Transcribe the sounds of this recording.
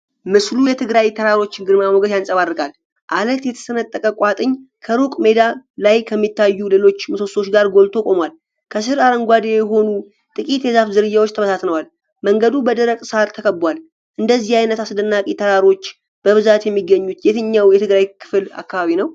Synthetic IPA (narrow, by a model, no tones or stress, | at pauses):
mɨslujɛt̪ʰɨɡɾajt̪ʰəɾaɾo̞t͡ʃːɪnɡɨɾmamoɡəd̪jansʼəβarːɨkʼal | ʔalət̪jɛt̪ʰə̥sənət̪ʼːəkʼəkʼat̪ʼɨɲkʰəɾukʼme̞d̪alajkʰəmːit̪ːajːule̞lo̞t͡ʃːmɨsoso̞t͡ʃːɡaɾɡo̞lt̪ʰo̞kʼo̞mwal | kʰəs̬ɨɾaɾəŋɡʷad̪ejɛɦo̞nu | t̪ʼɨkʼit̪jɛzafzɨɾɨjːawo̞t͡ʃːt̪ʰəβəsat̪nəwal | məŋɡəd̪ubəd̪əɾəkʼsaɾt̪ʰəkʰəbwal | ʔɨnd̪əzːihajnət̪asɨd̪ənːakʼit̪ʰəɾaɾo̞t͡ʃː | b̥əβɨzat̪jɛmːiɡəɲːut̪jet̪ʰɨɲːawjɛt̪ʰɨɡɾajkʰɨ̥fɨla̰kːaβaβinəw